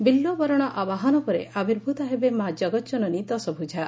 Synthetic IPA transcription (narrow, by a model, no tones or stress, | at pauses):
bilːobɔɾɔɽ̃ɔʔabaɦɔnɔpɔɾḛʔabiɾbʱut̪ɔɦebemad͡ʒɔɡɔtd͡ʒɔnɔnit̪ɔsɔbʱud͡ʒʱa